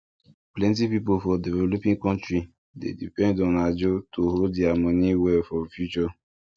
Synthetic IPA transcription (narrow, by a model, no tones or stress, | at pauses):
plɛ̃nt̬ipipofɔdevɛlopĩŋkɔ̃ntɾi | dḛdipɛ̃ndɔ̃nad͡ʒotoɦodiamɔ̃niwɛfɔfjut͡ʃɔ